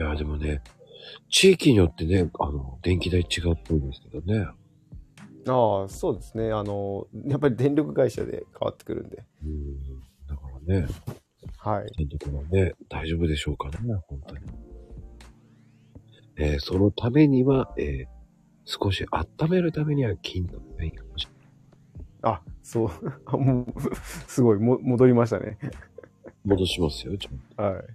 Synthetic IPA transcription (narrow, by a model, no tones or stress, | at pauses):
jaːd̪e̞mo̞ne̞ | t͡ɕiːkʲiɲ̟ijo̞t̪ːe̞ne̞a̰no̞d̪ẽ̞ŋkʲid̪ait͡ɕiɡaɯpːoĩnd̪esɨ̥ke̞d̪o̞ne̞ | aːso̞ːd̪e̞sɨne̞ano̞japːaɾʲid̪ẽ̞nɾʲo̞kɯ̟ɡaiɕa̰d̪e̞̰kʰaβa̰t̪ːe̥kɯ̟ɾɯ̟̰̃nd̪eɯ̃ːd̪akaɾane̞ | haḭd̪̥ẽ̞nɾʲo̞kɯ̟βane̞d̪̥aiʑo̞bɯ̟d̪e̞ɕo̞ːkane̞hõ̞nt̪o̞ɲ̟i | eːso̞no̞t̪ʰame̞ɲ̟iβaeː | sɨ̥ko̞ɕiʔat̪ːame̞ɾɯ̟t̪ame̞ɲ̟iβakʲʰĩnt̪opẽiamaɕi̥t̪a | asoːmoːsɨɡo̞imomo̞d̪o̞ɾʲimaɕ̬it̪a̰nʔe̞̰ | mo̞d̪o̞ɕimasɨjot͡ɕhai